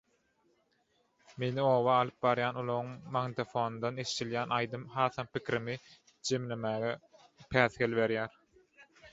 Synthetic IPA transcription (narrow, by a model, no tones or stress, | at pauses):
me̞nio̞ːβɑːlˠɯp̚bɑɾjɑːnolˠoɣuŋmɑŋd̪ofo̞ːnnd̪ɑneʃi̥t̪iljæːnɑjd̪ɯmɦɑːθɑmpikʲʰiɾimi | d͡ʒe̞mle̞mæːɣe | pʰæːθhelβe̞ɾjæːɾ